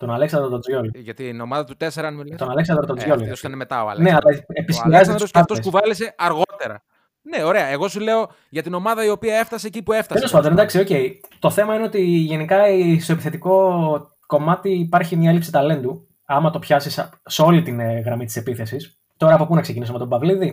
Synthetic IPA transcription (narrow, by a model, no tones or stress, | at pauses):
t̪o̞nɐle̞ksɐnd̪ɾt̪od͡zʝoliʝɐt̪inomɐðɐt̪ut̪eseɾɐnt̪o̞nɐle̞ksɐnd̪ɾt̪ozʝolisɐnmet̪ɐ̰oɐ̰neɐlɐepisciɾɐzosɐt̪oesuvɐlise̞ʔɐɾɣo̞t̪eɾɐ̰ | neoɾeɐeɣo̞sule̞o̞ | ʝɐt̪ino̞mɐðɐio̞piɐe̞ft̪ɐsecipueft̪ɐt̪elo̞spɐnd̪oned̪ɐksio̞ce̞jt̪o̞θe̞mɐine̞o̞t̪iʝe̞nikɐst̪o̞epi̥θet̪iko̞ | ko̞mɐt̪iːpɐɾçimɲɐelipsit̪ɐle̞nd̪u | ɐmɐt̪o̞pçɐsisseo̞lit̪inɣɾɐmit̪i̥se̞piθe̞sis | t̪o̞ɾɐːpo̞punɐksecinisome̞t̪obɐvliði